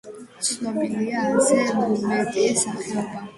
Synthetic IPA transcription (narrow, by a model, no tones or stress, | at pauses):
t̪sʰnɔbiliasɛnumɛt̪ʼiɛsaχɛɔba